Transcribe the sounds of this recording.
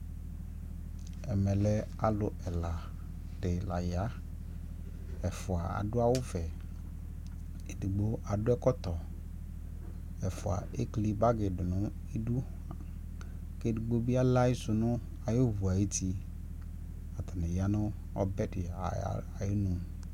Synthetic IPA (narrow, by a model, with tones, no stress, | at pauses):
ɛ˨mɛ˨lɛ˦ | a˨lʊ˨ɛ˨la˨ | d̥ɪ˨la˨ja˦ | ɛ˨fʊ˨a˨a̰˨dʊ˦a˦wʊ˦vɛ˨ | e˨di˨ɡ͡bo˦ʔa˨dʊ˦ɛ˦kɔ˦t̪ɔ˨ | ɛ˨fʊ˨a̰˨ʔe˦kli˦ba˦ɡɪ˨dʊ˨nʊ̃˦ | e˦du˦˨ | ke˦du˨ɡ͡bo˦bi˦a˦la˦ɪ˦sʊ˨nʊ̃˦ | a˨jɪ˦vu˨a˨je˦ti˦ | a˨t̪a˨nɪ̃˨ja˦nʊ̃˦ | ɔ˦bɛ˦dɪ̰˨˦a˨jɪ˦nʊ̃˨m